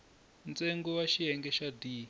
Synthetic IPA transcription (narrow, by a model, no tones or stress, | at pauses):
nt͡seŋɡɔwaʃiɛŋɡɛʃadiː